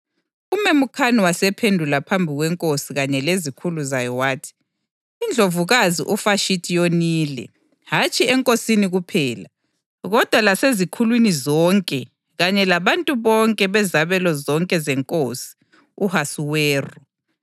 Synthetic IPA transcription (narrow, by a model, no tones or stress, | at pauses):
umemukʰaniwasɛpʰendʱulapʰambʱiɣwɛŋkʼosiɣaɲɛlezikʰuluzajɔwaːtʰi̥ | ind͡ɮʱovuɣazḭʔufaʃitʰʼijoniːlɛ̰ | hat͡ʃʼiɛŋkʼosiniɣupʰɛːla | ɣɔd̥ʱwalasezikʰulwinizɔŋkʼɛ | ɣaɲɛlaβantʼuβɔŋkʼɛβɛzaβɛlɔzɔŋkʼɛzɛŋkʼosi̥ | uhasuwɛːrɔ